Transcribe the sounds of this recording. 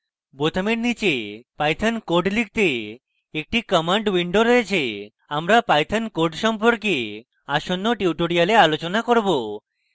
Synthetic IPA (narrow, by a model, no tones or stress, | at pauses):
bot̪ʰomeɾnit͡ɕepajt̪ʰankoɖlik̚t̪e | ek̚ʈikɔmaɳɖwiɳɖoɾɔet͡ɕʰe | amɾapajt̪ʰankoɖʃɔmpoɾke | aʃonːoʈiʈoɽialealot͡ɕonakoɾbo